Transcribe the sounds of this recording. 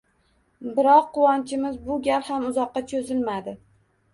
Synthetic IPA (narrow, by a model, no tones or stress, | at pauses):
bɪɾɒqːʊwɒnt͡ʃʰɪmɪzbʊɡʲalhamʊzɒqːɑt͡ʃʰozɪlmad̪ɪ